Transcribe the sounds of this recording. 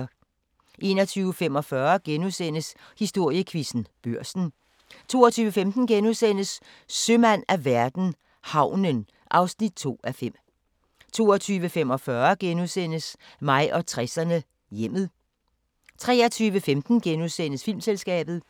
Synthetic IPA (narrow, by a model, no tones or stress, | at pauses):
ʔe̝̰nɒt͡sʰyːʊəfemɒ̽fɶɐɡ̥enusen̰əs | hisd̥o̝ɐ̰jəkʰʋisn̩b̥øɐ̰sn̩ | t͡sʰo̝̰ːɒt͡sʰyːʊʋəfemd̥n̩ɡ̥enuðˠsen̰əsː | ømænæʋæɐd̥n̩ | hɑ̈ʊ̰nən | ʔɑ̈ʊsnid̥̚t͡sʰo̝̰ːæfem̰ | t͡sʰo̝̰ːɒt͡sʰyːʋəfem̰ɒ̽fɶɐɡ̥enuðˠsen̰əsmɑ̈ɪ̰ʔɒ̽t͡sʰʁɛsɐnə | jem̰ð̩ˠ | t͡sʰʁɛ̰ːɐt͡sʰyːʋəfemd̥n̩ɡ̥enuðˠsen̰əsfil̰mselsɡ̥ɛ̰ːb̥ð̞̩ˠ